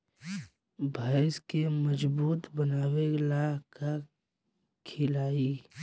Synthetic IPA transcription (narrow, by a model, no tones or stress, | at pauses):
bʱaɪskeməd͡ʒbuːt̪bənaːwelaka | kʰɪlaːi